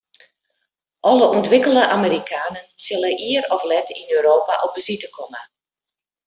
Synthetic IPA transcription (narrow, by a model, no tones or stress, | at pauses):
ʔɔləʔuntʋɪkəl̩ˠdəʔaməɾikʰaːnənsɪləʔiəɾɔflɛtʰinøːɾoːpa̰ʔɔbəzitəkʰɔmə